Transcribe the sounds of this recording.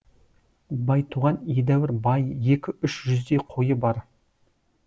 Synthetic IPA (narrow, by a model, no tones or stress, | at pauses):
bɑjt̪ʰuʁɑned̪æwɪɾbɑjje̞kʲɪʏʃʒʏzd̪eqʰo̞jəbɑɾ